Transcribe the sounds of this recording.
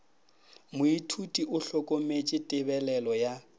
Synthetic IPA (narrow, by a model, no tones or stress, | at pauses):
mʊitʰutʼiʔʊɬɔkʼomet͡ʃʼɪtʼɪbɛlɛlɔja